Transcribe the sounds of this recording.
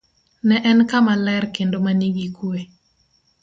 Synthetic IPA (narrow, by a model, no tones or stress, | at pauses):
nɛʔɛnkamalɛɾkendomaniɡikue